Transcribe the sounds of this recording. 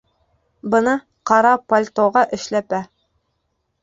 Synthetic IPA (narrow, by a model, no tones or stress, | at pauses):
bɤ̆nɤ | qɑɾɑpolʲt̪oʁɑʔɘ̆ʃlæpæ